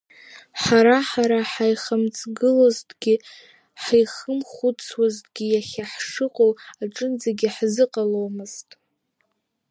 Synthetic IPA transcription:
ħaɾaħaɾaħajχəmt͡sʰʼɡɨloztʼɡʲi | ħajχəmχut͡sʰwaztʼɡʲijaχʲaħʂɨqʼowaʈ͡ʂʼɨnd͡zaɡʲiħzɨqʼalowmɨz̥tʼ

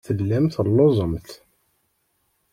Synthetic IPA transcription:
θəlːæmt̪əlːozˤəmt̪

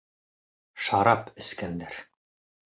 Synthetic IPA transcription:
ʃɑɾɑpɘ̆skænd̪æɾ

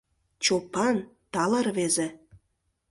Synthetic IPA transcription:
t͡ɕopɑnt̪ɑlərβeze

